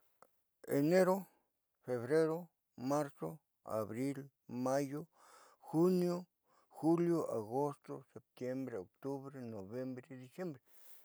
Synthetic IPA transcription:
ḛ˨ne˦ɾo˦ | fe˨βɾe˦ɾo˦ | ma˦ɾso˦ | a̰˨βɾi˦l | ma˦jo˦ | xu˦njo˦ | xu˦ljo˦ʔa˨ɡo˦st̪o˦se˨p̚t̪je˦mbɾe˨o˨kt̪u˦βɾe˦no˨bje˦mbɾe˦d̪i˧sje˦mbɾe˨

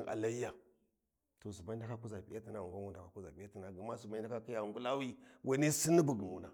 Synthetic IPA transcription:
a̰˨la˦i˦a˨ | to˨su˨ma˦da˦ka˦ku˦za˨pi˦ja˦ti˨na˨˦u˨ɡa˦u˦n˨da˨ka˦ku˦za̰˨bi˦ja˦ti˨na˨ɡa˨ma˦su˨ma˦i˦da˦ka˦ki˦ja˨ŋɡu˦la˦wi˦wa˨˦ni˦si˦ni˦bu˨ɡmu˨na˨

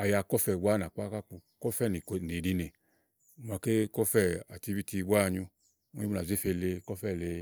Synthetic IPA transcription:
a˨ja˧kɔ˦fɛ˧˨wa˦n˨a˨k͡pa˦ka˦k͡pu˧kɔ˦fɛ˦˨ni˨kni˨di˧ne˨ | m˨a˨ke˦kɔ˦fɛ˦˨a̰˨ti˧bi˦ti˧ɡ͡ba˦˧˨ɲu˧˦ | i˦˧a˨ze˦fe˧le˧kɔ˦fɛ˦˨le˧

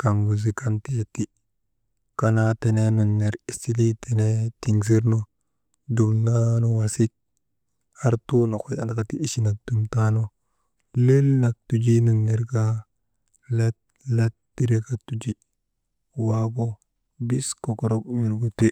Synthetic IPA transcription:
ka˨ŋɡu˨z̬i˨ka˦nte˦ti˦ | kanate˨ne˦nu˨nːe˨ɾi˨si˦li˦te˨ne˦ti˨nzi˦ɾno˦ | du˨mna˦no˦wasi˦t̚ | ha˦ɾtu˦no˨ko˦a˦na˨ka˨tiː˦ʃi˦na˨k̚du˨mta˦no˦ | le˦lna˨k̚tu˨d͡ʒi˦nu˨nːe˨ɾka | lat | la˦tdi˦ɾe˦ka˨tu˦d͡ʒi˦ | wa˦ɡo˦ | bi˦sko˨ko˨ɾo˦kju˨ɾɡu˦te˦

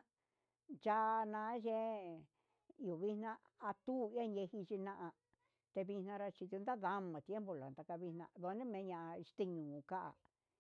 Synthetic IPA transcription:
d͡ʒa˦˧nã˧˦ʒe˧ | u˨βi˦nnã˦ | a˧t̪u˦˨i˦a˦ɲe˧hi˧t͡ʃi˧nã˧ʔa˧ | t̪e˧βi˧nã˧ɾa˧t͡ʃi˧t̪u˧nd̪a˦ða˧˦mã˨t̪je˦mbo˧lo˨d̪a˧ka˧βi˧nã̰˧ðo˧nĩ˦mẽ˧˦ɲã˧˨˧ʂt̪e˧ɲũː˨ka˦ʔa̰˨

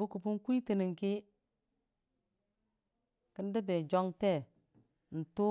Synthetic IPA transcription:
u˦ku˨pu˦n˦kʷi˦ti˨ni˨ŋki˦ | kə˦n˦də˦be˨d͡ʒo˦ŋte˦˨ | n̩˨tu˦

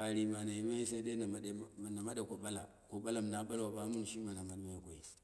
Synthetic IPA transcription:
a˨ɾi˨ma˨na˨ji˨ma˦i˦sa˦de˦na˨ma˦ɗna˨ma˦ɗa˨ko˨ɓa˦la˨ | ko˨ɓa˦la˨m˨na˦ba˦lwa˨ba˦mu˦n˨ʃi˦ma˨na˨ma˦dma˦ji˨ko˨ḭ˦

